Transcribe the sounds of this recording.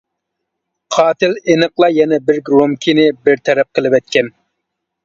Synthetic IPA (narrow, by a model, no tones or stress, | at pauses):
qʰɑːt̪ɪlenɨqlˠɑjɛnɛbɪɾɡɾomkʲʰinɪbɪɾt̪ʰɛɾɛp̚qʰəlˠɪpɛt̪̚kʲʰɛn